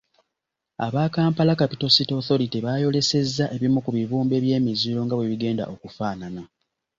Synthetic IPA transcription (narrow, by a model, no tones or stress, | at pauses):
a̰βaːkaːmpalakapito̞sitoθo̞ɾitiβaːjo̞le̞se̞zːaʔe̞βimukuβiβuːmbe̞ːβje̞ːmiziɾo̞ŋɡaβweβiɡe̞ːnda̰ʔokufaːnana